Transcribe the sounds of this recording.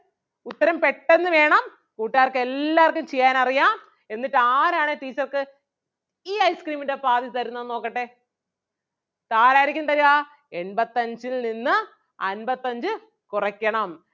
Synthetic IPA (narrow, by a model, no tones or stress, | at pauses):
ut̪ːɐɾɐmpe̞ʈːe̞nːɨʋe̞ːɳɐm | kuːʈːaːrkɨe̞lːaːrkːumt͡ɕejːaːnɐrijaːm | e̞nːiʈːaːɾaːɳet̪iːt͡ɕːɐrkɨ | iːɐjskriːminde̞paːðit̪ɐɾunːɐðno̞ːkːɐʈːe | t̪aːɾaːɾikʲːunt̪ɐɾuʋaː | e̞nbɐt̪ːɐɲd͡ʑilninːɨ | ɐ̰nbɐt̪ːɐɲd͡ʑɨ | kurɐkʲːɐɳɐm